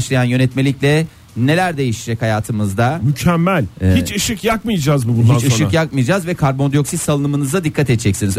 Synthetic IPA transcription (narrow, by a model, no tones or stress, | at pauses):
ʃlˠajanjø̞nɛt̪melʲiclʲɛ | ne̞lʲæɾd̪e̞jiʃid͡ʒɛchajaːt̪ʰɯmɯzd̪amycʰɛmːælʲhit͡ʃɯʃɯkjak̚mɯjad͡ʒaːzbubunh̪iat͡ʃɯʃɯkjakmɯjad͡ʒaːzvɛkʰaɾbo̞nd̪ijo̞ksisalˠɯnɯmɯnɯzd̪ad̪ikʰːat̪ɛt̪d͡ʒɛcsiniz